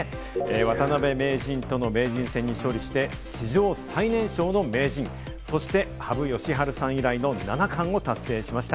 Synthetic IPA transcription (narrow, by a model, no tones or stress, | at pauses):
βat̪anabe̞me̞ːʑĩnt̪o̞no̞me̞ːʑĩɰ̃sẽ̞ɲ̟ːiɕo̞ːɾʲiɕi̥t̪e̞ | ɕiʑo̞ːsainẽ̞ɰ̃ɕo̞ːno̞me̞ːʑĩŋ̃ | so̞ɕi̥t̪e̞ | habɯ̟jo̞ɕiɦaɾɯ̟sãɰ̃iɾaino̞nanakʰãɰ̃o̞t̪asːe̞ːɕimaɕi̥t̪a